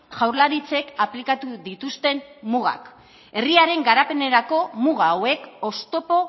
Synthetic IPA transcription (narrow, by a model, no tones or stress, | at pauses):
ʝawɾlaɾit͡se̞kaplikat̪uðit̪ust̪e̞mmuɣa̰k | e̞riaɾe̞ŋɡaɾape̞ne̞ɾako̞muɣ̞aːwe̞ko̞st̪o̞po̞